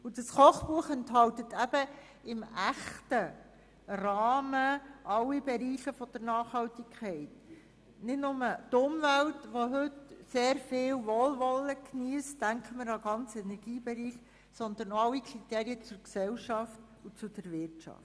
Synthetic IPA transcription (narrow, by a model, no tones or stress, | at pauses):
ud̥ɑsχɔχpuəχɛntɦɑltətæb̥ə | ɪmæχtə | rɑːməʔɑlːibɛɾiːχəfɔd̥əɾnɑːχhɑltikʰχɛɪt | nɪtnʊmətʊmvæltʋoɦɵtseːɾfɪːwʋɔlʋɔləkniəsdæŋkʰəməɾɑɡɑnt͡sɛnɛɾɡiːbɛɾiːχ | sɔnd̪ənɑlːikʰɾiteːɾiət͡sʊɾksɛwʃɑft | ut͡sud̥əɾvɪrtt͡ʃɑ̰ft